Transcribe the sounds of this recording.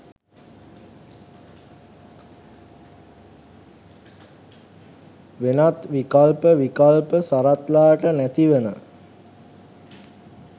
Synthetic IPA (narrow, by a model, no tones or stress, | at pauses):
ʋenat̪ʋikalpəʋikalpəsaɾat̪laːʈənæt̪iʋənə